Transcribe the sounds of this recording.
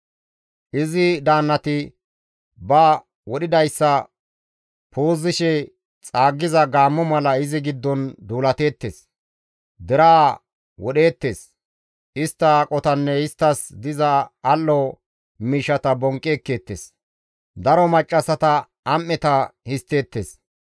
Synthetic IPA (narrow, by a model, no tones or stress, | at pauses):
ʔɪzɪd̪aːnːɐt̪ɪ | bɐ | wɔɗɪd̪ɐjsːɐ | pʰoːzːɪʃɛ | t͡sʼaːɡːɪzɐɡaːmːɔmɐlɐɪzɪɡɪd̪ːɔnd̪uːlɐt̪e̞ːt̪ːḛːs | d̪ɪɾaː | wɔɗe̞ːt̪ːeːs | ɪst̪ːɐkʼɔt̪ɐnːɛɪst̪ːɐsd̪ɪzɐːlːɔ | miːʃɐt̪ɐbɔŋkʼːeːkːeːt̪ːḛs | d̪ɐɾɔmɐt͡ʃʼːɐsɐt̪ɐ | ɐmːɛt̪ɐhɪst̪ːe̞ːt̪ːḛːs